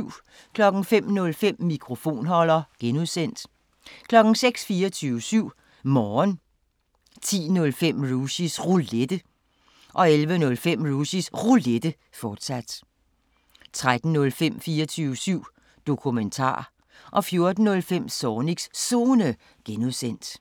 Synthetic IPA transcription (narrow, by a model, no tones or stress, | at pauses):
kʰlɒ̽ɡ̥n̩fem̰nɔ̽lfem̰mikʰʁo̝fo̝̰ːnɦɒ̽l̰ɐɡ̥enuðˠsen̰d̥ | kʰlɒ̽ɡ̥n̩seɡ̥sfiːɐt͡sʰyːʊəsyʊ̰ | mɒːn | t͡sʰḭːnɔ̽lfem̰ʁusisʁuled̥ə | ʔɒ̽elʋənɔ̽lfem̰ʁusisʁuled̥ə | fɒːd̥sæd̥ | t͡sʰʁad̥n̩nɔ̽lfem̰fiːɐt͡sʰyːʊəsyʊ̰ | d̥o̝kʰument͡sʰɑ̰̈ː | ʔɒ̽fjo̝ɐd̥n̩ːɔ̽lfem̰sɒːniɡ̥ssoːnə | ɡ̥enuðˠsen̰d̥